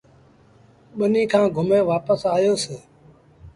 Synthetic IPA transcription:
ɓənĩːkʰãːɡʱʊmeːʋaːpəsaːjoːseː

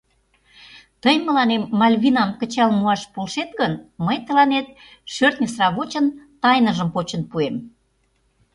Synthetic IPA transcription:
t̪əjmə̆lɑnemːɑlʲβʲinɑmkə̆t͡ɕɑlmuɑʃpolʃet̪ɣənməjt̪ə̆lɑnet̪̚ | ʃørt̪̚nʲəsrɑβot͡ɕənt̪ɑjnəʒəmpot͡ɕə̆npuem

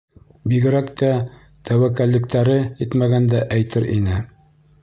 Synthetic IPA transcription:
biɡɘ̆ɾækt̪ʰæ | t̪æwækælːɘ̆kt̪æɾɘit̪mæɡænd̪æʔæjt̪ʰɘɾʔḭnɘ

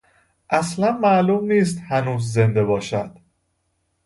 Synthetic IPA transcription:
ʔæslænmæʔluːmniːs̬t̪hænuːzze̞nd̪e̞bɒːʃæd̪̥

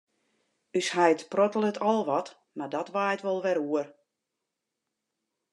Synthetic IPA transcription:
yshajtprɔtəl̩ˠətʰɔlˠʋɔt | mardɔtʋaːətʋɔlˠʋɛɾuər

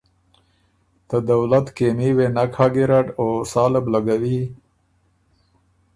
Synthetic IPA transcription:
t̪əd̪awlat̪kemiwenakʰɑɡiɾaʈosɑːlɪblaɡawi

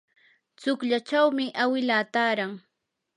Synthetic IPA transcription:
t͡sʊkʎat͡ʃawmɪʔawɪlaːt̪aːɾaŋ

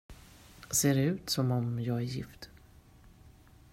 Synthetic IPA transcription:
seːɾɛʉ̟ːt̪sɔmɔmjɑːɡæɾjɪ̰fd̪̥

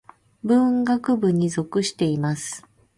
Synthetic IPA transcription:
bɯ̟̃ŋɡakɯ̟bɯ̟ɲ̟izo̞kɯ̟ɕi̥t̪e̞imasɨ̥

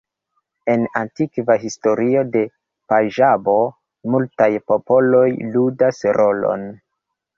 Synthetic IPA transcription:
e̞nantikvaɦisto̞ɾio̞de̞ | paʒabo̞ | multajpo̞po̞lo̞jludasɾo̞lo̞̰n

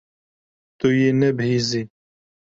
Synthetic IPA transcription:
t̪ujenɛbhiːzi

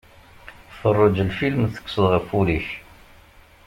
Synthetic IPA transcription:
fərˤːʊd͡ʒəlfilmθə̥kːsəðˤʁəfuliç

